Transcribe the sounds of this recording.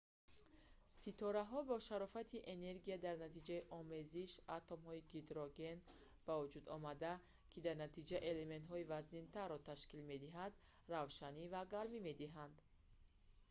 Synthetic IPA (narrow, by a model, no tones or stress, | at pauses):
sit̪ʰɔɾaɦɔbɔʃaɾɔfat̪ʰiʔene̞ɾɡijad̪aɾnat̪id͡ʒaiʔɔme̞ziʃat̪omhɔiɡed̪ɾoɡe̞n | b̥avud͡ʒud̪ɔmad̪a | kʰid̪aɾnat̪ʰid͡ʒaʔe̞le̞me̞nt̪ɦɔivaznint̪ʰaɾːɔt̪ʰaʃkilme̞d̪iɦad̪ | ravʃanivaɡaɾmime̞d̪iɦand̪